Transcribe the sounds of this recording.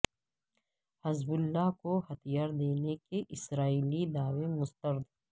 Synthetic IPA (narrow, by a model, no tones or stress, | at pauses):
hɐzbʊlːakohɐt̪ijaːɾd̪eːnekeʔɪsɾaːiːlid̪aːwemʊst̪əɾd̪